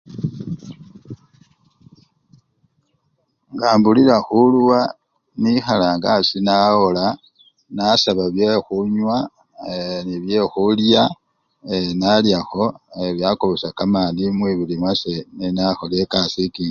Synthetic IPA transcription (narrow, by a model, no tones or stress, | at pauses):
ŋɡaːmbulilaxulwa | nixalaŋɡasinawola | nasaβaβjexuɲwa | niβje̞xulja | enaljaxo̞eβjakoβosakamaːndimwiβilimwasenenaxolekasikiŋ